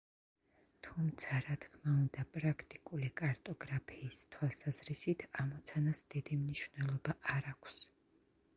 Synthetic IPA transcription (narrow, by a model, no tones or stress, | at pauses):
t̪ʰumt̪sʰaɾat̪ʰkʰmaund̪apʼɾakʰt̪ʼikʼulikʼaɾt̪ʼɔɡɾapʰiːst̪ʰwalˠsaz̥ɾisit̪ʰamɔt̪sʰanasd̪̥id̪imniʃvnɛlˠɔbaʔaɾakʷʰs